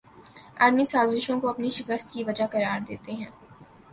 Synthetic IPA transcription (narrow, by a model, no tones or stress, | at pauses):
a̰ːɾmisaːzɪʃõkoɐpniʃɪkəst̪kiʋɐd͡ʒaqɐɾaːɾd̪eːt̪eɦɛ̃ː